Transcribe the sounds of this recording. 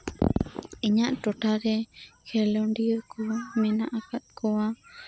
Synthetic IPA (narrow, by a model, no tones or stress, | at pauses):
iɲãʔtoʈaðexelondiɾkumẽnãʔakat̪̚koa